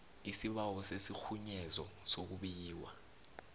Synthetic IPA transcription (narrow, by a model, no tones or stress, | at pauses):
isiɓawɔsesixuɲɛzɔsok̬uɓiːwa̰